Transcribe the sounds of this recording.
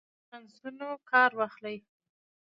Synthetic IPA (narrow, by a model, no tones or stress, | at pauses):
ansunokɑɾwɑxlaj